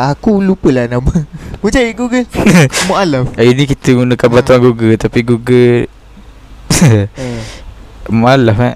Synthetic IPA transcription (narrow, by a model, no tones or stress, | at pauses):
akulupəlanaməmud͡ʒaiɡuɡəmoʔalafinikit̪əɡunəkanbat̪uaŋɡuɡət̪apiɡuɡə | moʔalafka